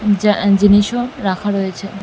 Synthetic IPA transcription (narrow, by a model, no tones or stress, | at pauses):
d͡ʒiniʃoɾakʰəɽojt͡ʃʰe